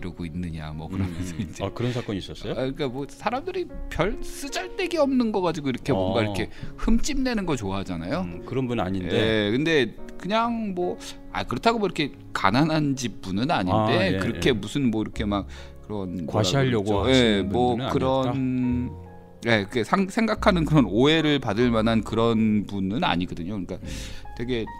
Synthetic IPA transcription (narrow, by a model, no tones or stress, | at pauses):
iɾʌɡoinːɯɲa̰mwʌ̰kɯɾʌmʌsʰʌind͡ʑekɯɾʌnsʰak͈ʌɲis͈ʌs͈ʌjik͈amʌsʰaɾamdɯɾipjʌɭs͈ɯd͡ʑaɭt͈e̞ɡiʌmnɯnɡʌɣad͡ʑiɡoiɾʌkʰe̞mwʌnɡaiɾkʰe̞hɯmt͡ɕ͈imne̞nɯnɡʌt͡ɕoaɦad͡ʑana̰jokɯɾʌnbuna̰ɲijeekɯnde̞kɯɲaŋmwʌ | a̰kɯɾʌtʰaɡomoiɾʌkʰe̞ | ka̰nanɦand͡ʑip̚p͈unɯnaɲinde̞kɯɾʌkʰe̞musʰɯnmwʌiɾʌkʰe̞mak̚ | kɯɾʌnwaiaʎːʌɡoe̞mwʌkɯɾʌn | je̞kesʰaŋsʰe̞ŋɡakʰanɯnkɯɾʌnoe̞ɾɯɭpadɯɭmanɦankɯɾʌnpunɯna̰ɲiɡʌdɯɲokɯɲik͈atwe̞ɡe̞